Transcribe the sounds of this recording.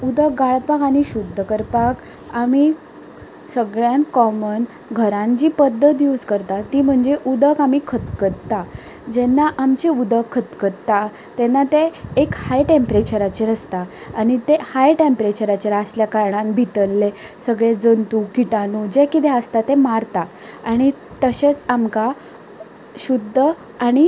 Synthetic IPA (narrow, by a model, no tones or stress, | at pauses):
ud̪ək̚ɡaɭpakaɽ̃iɕud̪ʱːəkəɾpak | ami | səɡɭjãnkɔmən | ɡʱəɾãɲt͡ɕiːpəd̪ʱːət̪̬jud͡zkəɾt̪at̪iːm̤əɳd͡ʑeʔud̪əkamikʰət̪kətt̪ːa | d͡ʑɛnːaʔamt͡ɕeud̪əkʰːət̪kət̪a | t̪ɛnːat̪eːkhajʈempɾet͡ɕəɾat͡ɕiɾəst̪aːɽ̃it̪ehajʈempɾet͡ɕəɾat͡ɕəɾasljakaɾɳãnbʱit̪əlːesəɡɭed͡zənt̪ukiʈanud͡ʑekit̪eəst̪at̪emaɾt̪a | aɽ̃it̪əɕet͡samka | ɕud̪ʱːə | aɽ̃i